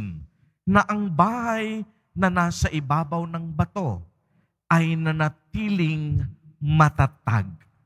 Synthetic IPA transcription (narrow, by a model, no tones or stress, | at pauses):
n | nɐʔɐŋbaːhɐj | nɐnaːsɐʔɪbaːbɐwnɐŋbɐt̪o̞ | ʔɐjnɐnɐt̪iːlɪŋmɐt̪at̪a̰ɡ̚